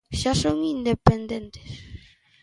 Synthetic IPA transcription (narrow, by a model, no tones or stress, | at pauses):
ʃasoŋind̪epend̪ent̪e̥s